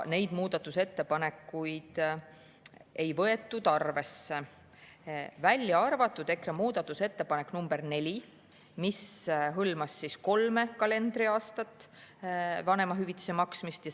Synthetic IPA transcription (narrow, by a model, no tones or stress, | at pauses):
ne̞jd̪̥muːd̪̥ɑt̪ːˑuse̞t̪ːe̞pɑne̞kːujd̪̥ | e̞jvɤe̞t̪ːˑud̪̥ɑrve̞sːe | vælʲjɑɑrvɑt̪ːˑud̪̥e̞kremuːd̪̥ɑt̪ːˑuse̞t̪ːe̞pɑne̞kːnumb̥e̞rne̞lʲi | misɦɤlmɑsːisko̞lme̞kɑle̞nd̪̥riɑːst̪ɑt̪ːˑ | vɑne̞mɑɦyvit̪ːi̥semɑksmist̪jɑ